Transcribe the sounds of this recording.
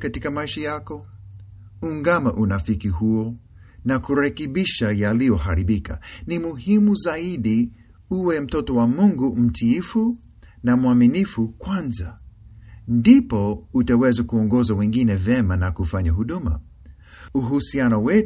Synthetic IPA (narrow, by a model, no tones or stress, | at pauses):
katikamaiʃajakɔ | uŋɡamaʔunafikiɦuɔ | nakuɾɛkɛɓiʃajalijɔɦaɾiɓika̰nimuhimuzaiɗi | uwɛm̩tɔtɔwamuŋɡum̩tʰiifu | namuaminifukwanza | ndipɔutawɛzakuɔŋɡɔzawɛ̃ŋɡinɛvɛmanakufaɲaɦuɗuma̰ | uɦusianɔwɛ